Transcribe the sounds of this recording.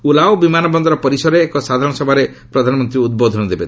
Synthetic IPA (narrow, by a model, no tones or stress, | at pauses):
ulaobimanɔbɔnd̪ɔɾɔpɔɾisɔɾeːkɔsad̪ʱaɾɔɽ̃ɔsɔbʱaɾepɾɔd̪ʱanɔmɔnt̪ɾiud̪̚bod̪ʱɔnɔd̪ebet̪